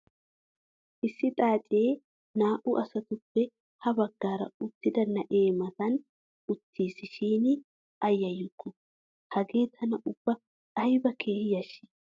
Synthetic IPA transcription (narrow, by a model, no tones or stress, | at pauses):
ʔɪsːɪt̪ʼaːt͡ʃʼe̞ː | naːʔʊʔɐsɐt̪ʊpːɛ | hɐbɐɡːaːɾɐ̰ʊt̪ːɪd̪ɐnɐʔe̞ːmɐt̪ɐn | ʊt̪ʰːiːsɪʃiːnɪ | ɐjːɐjːʊkːʊ | hɐɡe̞ːt̪ʰɐnɐʔʊb̥ːɐ | ᶑɐjbɐkʰe̞ːhjɐʃɪ̥